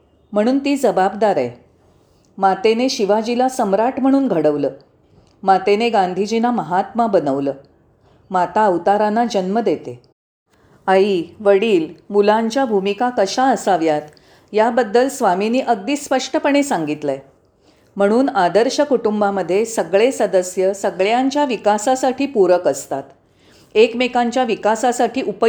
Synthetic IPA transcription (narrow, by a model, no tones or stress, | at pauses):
m̤əɽ̃uːnt̪iːd͡zəbabd̪aɾa̰j | mat̪eneɕiʋad͡ʑilasəmɾaʈm̤əɽ̃uːnɡʱəɽəʋləː | mat̪eneɡand̪ʱid͡ʑinaməɦat̪mabənəʋləː | mat̪aəwt̪aɾanad͡ʑənməd̪et̪e | aiʋəɽiːlmulaɲt͡ɕjabʱumikakəɕaəsaʋjat̪ | jabəd̪ːəlsʋaminiːʔəɡ̚d̪iːspəʂʈəpəɳ̃esaŋɡit̪lɛ | m̤əɽ̃uːnad̪əɾɕəkuʈumbaməd̪ʱːjesəɡɭesəd̪əsjəsəɡɭjaɲt͡ɕjaʋikasasaʈʰiːpuɾəkəst̪at̪ | ekmekaɲt͡ɕjaʋikasasaʈʰiːʔupə